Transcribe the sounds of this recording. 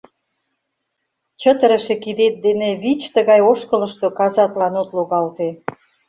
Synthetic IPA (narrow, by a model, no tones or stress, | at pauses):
t͡ɕə̆t̪ə̆ɾə̆ʃĕkid̪et̪̚d̪enĕβit͡ɕt̪əɣɑjoʃkə̆lə̆ʃt̪okɑzɑt̪lɑnot̪luɣɑlt̪e